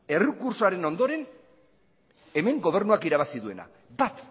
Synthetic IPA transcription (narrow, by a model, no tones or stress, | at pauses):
e̞rukuɾsoaɾe̞no̞nd̪o̞ɾe̞n | e̞me̞ŋɡo̞β̞e̞ɾnuakiɾaβasiðue̞na̰ | bat̪